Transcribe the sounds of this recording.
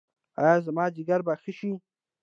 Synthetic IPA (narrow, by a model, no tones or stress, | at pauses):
ajɑːzamɑːd͡ʒɪɡaɾbaxəʃi